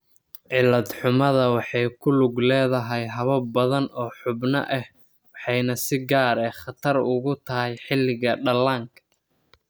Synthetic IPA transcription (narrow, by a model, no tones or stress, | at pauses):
ʕɪlɐd̪ħʊmɐðɐwɑħɑjkʰʊlʊɡlɛːðɐɦɛjɦɐβɐbɐðɐnɔːħʊbnɐ̰ʔɛh | wɑħɑjnɐsɪɡaːɾɛːχɑt̪ʰɐrʊɣʊt̪ʰɐɦɛjħɪlːɪɣɐɖɐlːaːŋkʰɐ̥